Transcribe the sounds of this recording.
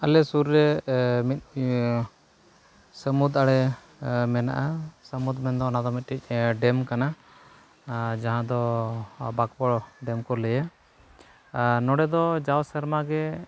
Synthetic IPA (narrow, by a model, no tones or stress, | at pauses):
alɛsuɾːɛmit̪̚ˀ | səmud̪aɽɛ | mɛna̰ʔasəmud̪mɛnd̪ɔːnad̪ɔmit̪̚ʈic̚ˀɖɛmkana | d͡ʒaɦãd̪ɔ | bakpɔɽɖɛmkɔləja | nɔɽɛd̪ɔd͡ʒawsəɾmaɡɛ